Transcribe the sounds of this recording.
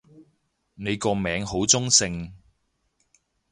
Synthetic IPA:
ne˨˧jkɔː˧mɛː˨˧˥ŋho˨˥wt͡sʊ˥ŋsɪ˧ŋ

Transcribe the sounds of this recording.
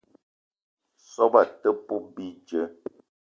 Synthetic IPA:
sɔ˦ba˨tə˦pu˦bi˦d͡ʒə˦

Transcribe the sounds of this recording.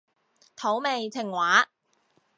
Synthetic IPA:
t̪ʰo˨˥wme˨jt͡sʰɪ˨˩ŋwaː˨˥

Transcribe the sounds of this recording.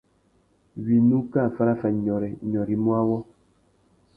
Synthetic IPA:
wi˨nu˦ka˦˨fa˦ɾa˦fɛ˨ɲɔ˨ɾɛ˨ɲɔ˨ɾi˨mwa˦wɔ˦

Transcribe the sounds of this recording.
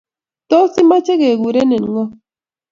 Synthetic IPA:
tɔ˦si˦ma˦t͡ʃe˦ɣe˨ɡu˨ɾe˦ne˨n˨˦ŋɔ˦

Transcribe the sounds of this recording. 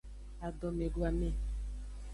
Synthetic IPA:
a˨dɔ˨me˨ɡwa˨me˦

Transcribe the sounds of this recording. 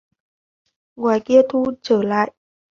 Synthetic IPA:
ŋwaː˨˩jki˧ət̪ʰu˧t͡ɕəː˧˩la̰ː˧˨j

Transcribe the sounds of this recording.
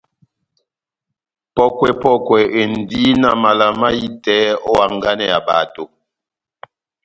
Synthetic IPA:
pɔ˦kwɛ˦pɔ˦kwɛ˨ʔe˨n̩˨di˦na˦ma˨la˨ma˦ji˦tɛ˦ɔ˦wa˨ŋ˦ɡa˦nɛ˨a˨ba̰˨to˨

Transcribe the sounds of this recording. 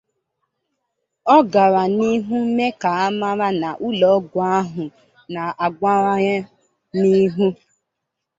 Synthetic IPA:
ɔ˦ɡa˨ɾa˨ni˦ɦu˦m̩˦me˦ka˨a˦ma˦ɾa˦na˨ʔu˦lɔ˨˦ɡʊ˨a˦ɦʊ˨ | na˨a˨ɡʷa˦ɾa˦ɲa˦ | ni˦ɦu˦

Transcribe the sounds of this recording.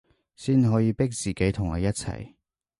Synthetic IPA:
siː˥nɦɔː˨˥jiː˧pɪ˥k̚t͡siː˨ke˨˥jt̪ʰʊ˨˩ŋɔː˨˧jɐ˥t̚t͡sʰɐ̰˨˩j

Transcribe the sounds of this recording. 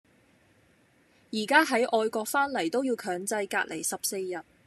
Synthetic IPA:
jiː˨˩kaː˥ɦɐ˨˥jʔɔː˧jkɔː˧k̚faː˥nlɐ˨˩jt̪o˥wjiː˧wkʰœː˨˥ŋt͡sɐ˧jka̰ː˧t̚lʔe˨˩jsɐ˨p̚se˧jjɐ˨t̚

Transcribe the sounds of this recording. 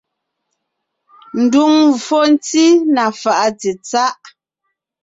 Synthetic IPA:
n̩˨du˨ŋ˨fɔ˦n˦t͡si˦na˨fa˨ʔa˦ti˨t͡sa˦ʔ

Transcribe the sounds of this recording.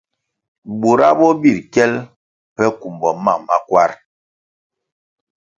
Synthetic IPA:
bu˨ɾa˦bɔ˦bi˦˨ɾkɛ˦l | pɛ˦ku˨mbɔ˨ma˦˨ma˦kwa˦ɾ

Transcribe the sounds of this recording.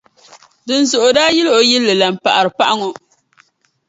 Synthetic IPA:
dɨ˨n˨zo˨ʔʊ˨daː˦ji˦lʔo˨ji˦lːɨ˨la˨m˨pa˨ʔa˨ɾɨ˨pa˦ʔa˦ŋo˨

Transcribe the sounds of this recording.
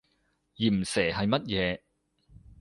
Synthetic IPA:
jiː˨˩m̩˨˩sɛː˨˩hɐ˨jmɐ˥t̚jɛː˨˧

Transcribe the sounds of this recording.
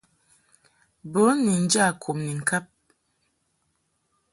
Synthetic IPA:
bə˨˦ni˨n̩˦d͡ʒa˦˨kʰo˨mni˨ŋ̩˨kʰa˦p̚

